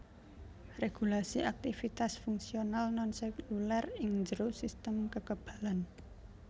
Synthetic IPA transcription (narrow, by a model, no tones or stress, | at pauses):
reɡ̥ulasiak̚t̪ifit̪asfuŋsionalnɔnsɛklulɛrɪŋɲd͡ʒəɾosist̪əmkəkəb̥a̤lan